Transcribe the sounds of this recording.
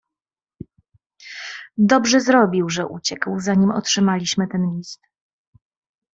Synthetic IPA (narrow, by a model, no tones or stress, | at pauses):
d̪ɔbʐɛzɾɔbʲiwʐɛʔṵt͡ɕɛkwzaɲimɔ̰tʂɘmalʲiɕmɘt̪ɛnlʲist̪